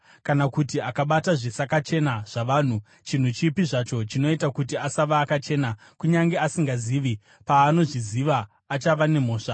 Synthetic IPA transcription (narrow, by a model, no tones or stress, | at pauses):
kanakutiakaɓataʐisakat͡ʃe̞naʐ̥aʋaːn̤u | t͡ʃin̤ut͡ʃipiʐat͡ʃo̞t͡ʃino̞itakutiasaʋaːkat͡ʃe̞na | kuɲaŋɡeasiŋɡaziːʋi | paːno̞ʐiziʋaː | t͡ʃaʋane̞m̤o̞ːʂa